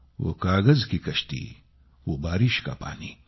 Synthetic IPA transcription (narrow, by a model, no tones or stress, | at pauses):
ʋo̰kaːɡɐzkikɐʃt̪ḭ | ʋoːbaːɾɪʃka̰pa̰ːniː